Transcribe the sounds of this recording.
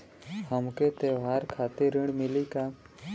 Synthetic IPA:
həmkeːt̪eːʋaːɾkʰaːt̪eɾɪɽmɪliːkaː

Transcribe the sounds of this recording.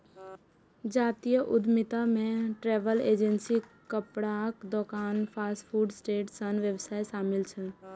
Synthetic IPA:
d͡ʒaːt̪ijəʔʊd̪mɪt̪amẽʈɾeːʋəleːd͡ʒənsikəpɽakd̪oːkaːnpʰaːsʈpʰuːɖsʈeːʈsənʋjəbsaːeʃaːmɪlt͡ʃʰɛ

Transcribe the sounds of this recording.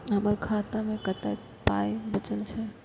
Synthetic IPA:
əbəɾkʰat̪amẽkət̪a | pajbət͡ʃəlt͡ʃʰɛ

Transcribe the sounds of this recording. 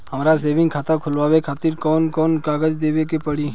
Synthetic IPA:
hɐmɾas̬eːʋɪ̃ŋɡkʰaːt̪ʰakʰʊlʋaːʋekʰaːt̪ɪɾkɔːnkɔːnkaːɡəd͡ʒd̪eːʋekepəɽiː

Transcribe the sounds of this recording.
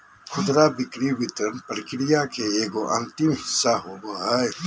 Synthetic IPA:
kʰʊd̪ɾabɪkɾiwɪt̪ɾənpəɾkɪɾijakeeːɡoʔɐ̃nt̪ɪmɦɪsːaɦoboaːj

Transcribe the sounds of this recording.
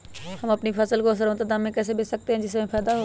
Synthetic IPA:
hɐmɐpnifɐsəlkoːs̬əɾõt̪ɐt̪əɐmẽkɛːs̬ebɪsɐk̚t̪eɦɪ̃nd͡ʑɪs̬ɐmẽpʰɛːd̪aɦoː

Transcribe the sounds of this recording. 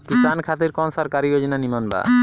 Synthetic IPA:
kisankʰat̪̬iɾkɔnsɔɾkaɾijod͡ʑinanimanba̰

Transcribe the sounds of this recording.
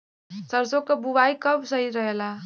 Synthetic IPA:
sʌɾsokobubajkʌbsʌɦit̪ɾʌɦela

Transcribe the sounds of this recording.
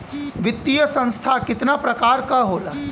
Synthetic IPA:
ʋɪt̪ːijəsɐ̃nst̪ʰakɪt̪napɾɐkaːɾkaɦoːlaː

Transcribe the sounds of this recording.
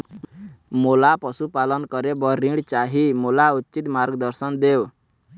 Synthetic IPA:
molapɔsupalɔnkɔɾebɔɾiɽt͡ʃaɦimolaut̪ːt͡ʃit̪maɾɡd̪ɔɾsɔnd̪ew

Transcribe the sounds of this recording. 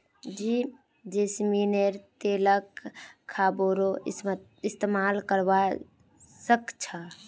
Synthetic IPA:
d͡ʒiː | d͡ʒesmineɾt̪eːləkʰː | aːboɾo | ɪst̪emaːlkəɾʋa | səkt͡ʃʰa

